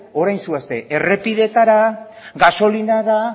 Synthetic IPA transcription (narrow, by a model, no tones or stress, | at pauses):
o̞ɾajnsuast̪e̞ʔere̞piðe̞t̪aɾa | ɣaso̞linaða